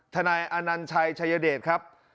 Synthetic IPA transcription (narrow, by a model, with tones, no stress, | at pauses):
t̪ʰa˧naː˧jʔa˧na˧nt͡ɕʰa˧jt͡ɕʰa˧jːaː˧deː˨˩t̪̚kʰɾa˦˥p̚